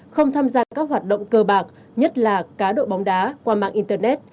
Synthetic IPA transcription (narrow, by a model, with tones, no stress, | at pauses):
xə˧wŋ͡mt̪ʰaː˧mzaː˧kaː˦˥k̚ɦwaː˨˩t̚ɗə̰˧˨wŋ͡mkəː˧ɓaː˨˩k̚ | ɲə˦˥t̚laː˨˩kaː˨˦ɗo̰˧˨ɓɔ˨˦wŋ͡mɗaː˨˦kwaː˧ma̰ː˧˨ŋʔi˧nt̪əː˧nɛ˦˥t̚